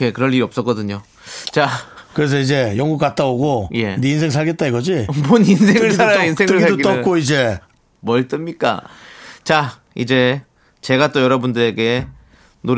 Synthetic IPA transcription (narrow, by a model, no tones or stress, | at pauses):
ekɯɾʌɭʎːiɾiʌp̚s͈ʌk͈ʌdɯɲo | t͡ɕakɯɾe̞s̬ʰʌid͡ʑejʌŋɡuk͈at̚t͈aoɡoje̞diinsʰe̞ŋs̬ʰaɭɡe̞t̚t͈aiɡʌd͡ʑimoninsʰeŋɯɭʰaɾaʌinsʰe̞ŋɯsʰadoɡid͈ʌk͈oid͡ʑe̞ | mʌɭt͈ɯmɲik͈a̰t͡ɕa | id͡ʑe̞ | t͡ɕe̞ɡat͈ojʌɾʌbundɯɾe̞ɡe̞ | no